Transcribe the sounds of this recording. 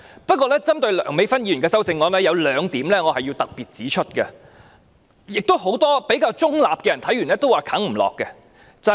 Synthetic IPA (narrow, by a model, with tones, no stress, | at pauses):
pɐ˥t̚kʷːɔː˧lɛː˥t͡sɐ˥mt̪ɵ˧ɥlœː˨˩ŋme˨˧jfɐ˥njiː˨˧jy˨˩nkɛː˧sɐ˥wt͡sɪ˧ŋːɔː˨˥nɛː˥jɐ˨˧wlœː˨˧ŋt̪iː˨˥mlɛː˥ŋɔː˨˧hɐ˨jiː˧wt̪ɐ˨k̚piː˨t̚t͡siː˨˥t͡ʃʰɵ˥t̚kɛ̰˧ | jɪ˨k̚t̪o˥wɦo˨˥wt̪ɔː˥pe˨˥jkaː˧wt͡sʊ˥ŋla̰ː˨p̚kɛː˧jɐ˨˩nt̪ʰɐ˨˥jyː˨˩nɛː˥t̪o˥waː˨kʰɐ˨˥ŋm̩˨˩lɔ̰ː˨kːɛ˧ | t͡sɐ˨